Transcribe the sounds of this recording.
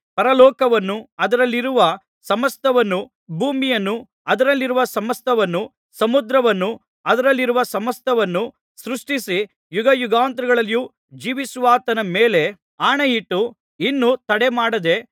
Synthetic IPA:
pɐɾɐlɔːkɐʋɐnːuɐd̪ɐɾɐlːiɾuʋɐ | sɐmɐst̪ʰɐʋɐnːu | bʱuːmijɐnːu | ɐd̪ɐɾɐlːiɾuʋɐsɐmɐst̪ʰɐʋɐnːu | sɐmud̪ɾɐʋɐnːu | ɐd̪ɐɾɐlːiɾuʋɐsɐmɐst̪ʰɐʋɐnːu | sɾuʂʈisi | juɡɐjuɡaːnt̪ɾuɡɐɭɐlju | d͡ʒiːʋisuʋaːt̪ɐnɐmeːle̞ | aːɳɐjiʈːu | inːut̪ɐɽemaːɽɐd̪e̞

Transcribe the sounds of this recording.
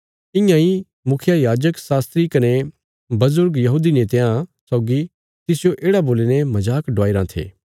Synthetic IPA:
ɪ̃jãi | mʊkʰjajaːd͡ʒəksaːst̪ɾikɐne | bɐzʊɾɡjɐɦuːd̪inet̪eãsɔːɡi | t̪ɪsjoʔeːɽaboːlenemɐd͡ʒaːkɖʋaːɪɾãt̪ʰḛː

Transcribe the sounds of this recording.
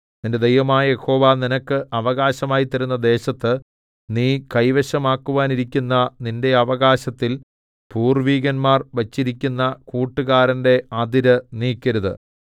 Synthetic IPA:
ninde̞d̪ejʋɐmaːjɐje̞xo̞ːʋaːninɐkːɨʔɐʋɐɣaːɕɐmaːjit̪ːɐɾunːɐd̪e̞ːɕɐt̪ːɨ | niːkɐjʋɐɕɐmaːkːuʋaːniɾikʲːunːɐninde̞ɐʋɐɣaːɕɐt̪ːil | puːrʋiːɡɐnmaːrʋɐt͡ɕːiɾikʲːunːɐkuːʈːɨɣaːɾɐnde̞ɐd̪iɾɨniːkʲːɐɾuðɨ̰

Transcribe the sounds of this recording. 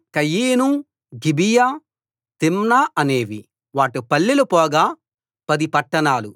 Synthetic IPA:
kɐjiːnu | ɡibija | t̪imnaːɐne̞ːʋḭ | ʋaːʈupɐɭːilupɔːɡaː | pɐd̪ipɐʈːɐɳaːlu

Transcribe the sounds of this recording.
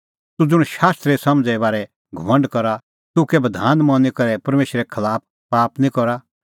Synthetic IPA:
t̪ud͡zʊɽ̃ʃaːst̪ɾɛsɐmd͡zɛbaːɾɛ | ɡʱɐmɐ̃ɳɖkɔɾa | t̪ʊkɛbɐd̪ʱaːnmɔ̃nikɐɾɛpɐɾmeːʃɾɛkʰɐlaːp̚ | paːpnĩkɔɾa

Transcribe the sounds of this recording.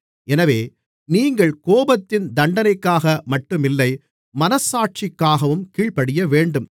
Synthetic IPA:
ʔɛnɐʋeː | niːŋɡɐɭkoːbɐt̪ːɪnd̪ɐɳɖɐnɐɪkːaːɣɐmɐʈːɯmɪlːɐɪ | mɐnɐsaːʈ̚t͡ʃɪkːaːɣɐʋɯmkiːɭpɐɽɪjɐʋeːɳɖɯm

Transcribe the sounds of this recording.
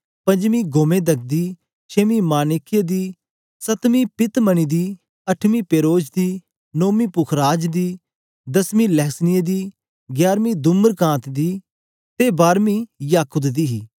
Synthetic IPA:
pɐ̃ɲd͡ʒmiːɡoːmẽːd̪ɐk̚d̪iː | t͡ʃʰeːmiːmaːnɪkːɪjəd̪iː | sɐt̪miːpɪt̪məñiːd̪iː | ɐʈʰmiːpeːɾoːd͡ʒd̪iː | noːmiːpʊkʰɾaːd͡ʒd̪iː | d̪ɐsmiːlɛːsnied̪iː | ɡjaːɾmĩːd̪ʊməɾkãːt̪d̪iː | t̪ebaːɾmijaːkʊd̪d̪iːɦiː

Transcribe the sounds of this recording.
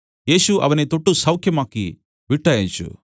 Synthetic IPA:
jeːsuʔɐ̰ʋɐnit̪oʈːusɐwkʰjɐmaːkḭ | ʋiʈːɐːjint͡ʃṵ

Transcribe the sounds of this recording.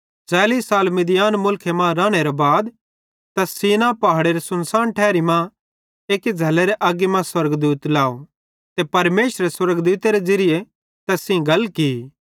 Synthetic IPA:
t͡ʃɛːliːsːaːlmɪd̪ɪjaːnmʊlkʰemãɾaːɽ̃eɾebaːd̪ | t̪ɐsiːnãpaːɽeɾesʊnsaːnʈʰɛːɾimã | eːked͡ʒʱɐlːeɾeʔaɡemãswɐɾɡd̪uːt̪laːo | t̪epɐɾmeːsɾeswɐɾəɡd̪uːt̪eɾed͡ʒɐɾɪje | t̪ɐsĩɡʱɐlkiː

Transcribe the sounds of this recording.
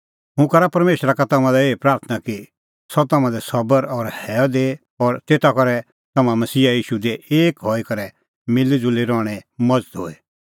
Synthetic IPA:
ɦʊ̃kɐɾapɐɾmeːʃɾakat̪ɐmãd̪aeːpɾaːɾt̪ʰnaki | sɔt̪ɐmãd̪ɛsɐbəɾɔːɾhɛːɔd̪eː | ɔːɾt̪eːt̪akɔɾɛ | t̪ɐmãmɐsiːajiːʃud̪eeːkɦɔːikɐɾɛ | mɪlid͡zʊleɾɔːɽ̃ɛmɐd͡zət̪ɦoːɛ

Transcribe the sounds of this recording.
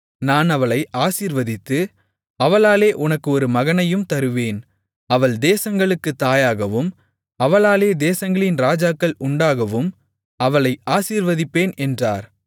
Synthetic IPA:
naːnɐʋɐɭɐɪʔaːsiːɾʋɐðɪt̪ːɯ | ɐʋɐlaːleːʔʊnɐkːɯɔɾɯmɐɣɐnɐjɯmt̪ɐɾɯʋeːn | ɐʋɐɭd̪eːsɐŋɡɐɭɯkːɯt̪ːaːjaːɣɐʋɯm | ɐʋɐɭaːleːd̪eːsɐŋɡɐɭɪnɾaːd͡ʒaːkːɐɭʔʊɳɖaːɣɐʋɯm | ɐʋɐɭɐɪʔaːsiːɾʋɐðɪpːeːnɛndra̰ːɾ

